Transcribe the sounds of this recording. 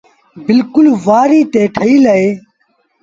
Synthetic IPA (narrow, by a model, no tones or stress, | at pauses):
bɪlkʊlʋaːɾiːt̪eːʈʰəiːlɐeː